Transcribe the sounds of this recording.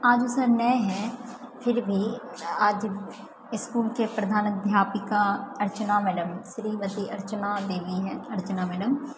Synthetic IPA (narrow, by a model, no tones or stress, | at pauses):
aːd͡ʒusəɾnɛːɦɛ̃pʰɪɾbʱi | aːd͡ʒ | ɪskuːlkepɾəd̪ʱaːnəd̪ʱjaːpikaɐɾt͡ʃnamɛːɖəmʃɾiːmət̪iʔɐɾt͡ʃnad̪eːʋiɦɛːəɾt͡ʃnamɛːɖəm